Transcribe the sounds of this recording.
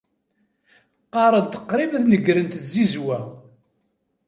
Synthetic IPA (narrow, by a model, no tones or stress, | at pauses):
qːɑɾˤəd̪t̪əqːɾimðnəɡɾənt̪zizwæ